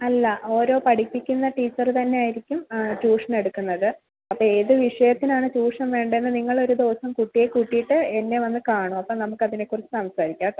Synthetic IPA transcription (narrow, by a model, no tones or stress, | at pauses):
ɐlːɐʔo̞ːɾo̞ːpɐɽipːikʲːunːɐʈiːt͡ɕːɐrt̪ɐnːe̞aːjiɾikʲːumt͡ɕuːʂɐne̞ɽukːunːɐðɨ | ɐpːoe̞ːðɨʋiʂɐjɐt̪ːinaːɳɨt͡ɕuːʂɐmʋe̞ːɳɖenːɨniŋːɐɭo̞ɾud̪o̞ːsɐmkuʈːijekuʈːijiʈːɨe̞nːe̞ʋɐnːɨkaːɳuɐpːɐnɐmukːɐðinekːurit͡ɕːɨsɐmsaːɾikʲːaːkː